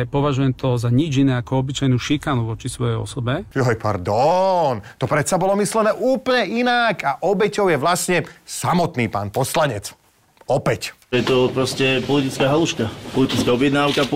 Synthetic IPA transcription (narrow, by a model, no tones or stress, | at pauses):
pɔʋaʒujɛmt̪ɔzaɲid͡ʒinɛːakɔɔbit͡ʃajnuːʃikanuʋɔt͡ʃisʋɔjɛjɔ̰sɔbɛɔɦɔjpa̰ɾd̪ɔnt̪ɔpɾɛt̪sabɔlɔmislɛnɛːʔuːplɲɛʔinakaʔɔbɛcɔʊjɛʋlasɲɛsamɔt̪niːpa̰ːnpɔslaɲɛt͡s | ɔpɛc | jɛt̪ɔpɾɔscɛpɔlit̪it͡skaːɦaluʃkapɔlit̪it͡skaɔbɪjɛd̪naːʊka